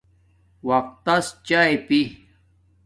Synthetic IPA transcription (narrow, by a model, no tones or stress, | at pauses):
wɐq̚t̪ːɐst͡ɕaepi